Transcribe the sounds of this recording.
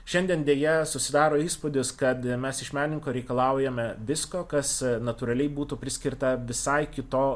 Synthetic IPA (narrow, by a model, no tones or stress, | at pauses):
ʃʲɛnʲd̪ʲiɛnd̪ʲeːjɛsʊsʲɪd̪ɑːɾoːiːspʊd̪ʲɪskɐt̪mʲɛsɪʃmʲæːnʲnʲɪŋkoːɾʲɛɪkɐlˠɑˑʊjɛmʲɛʋʲɪskoːkɐsnɐt̪uːɾɐlʲɛɪbuːt̪upʲɾʲɪsʲkʲɪrt̪ɐʋʲɪsɐɪkʲɪt̪oː